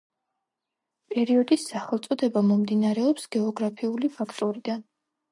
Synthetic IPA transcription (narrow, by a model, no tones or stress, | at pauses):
pʼɛɾiɔd̪isːaχɛlˠt̪sʼɔd̪ɛbamɔmd̪inaɾɛɔpsɡɛɔɡɾapʰiulipʰakʰt̪ʼɔɾid̪an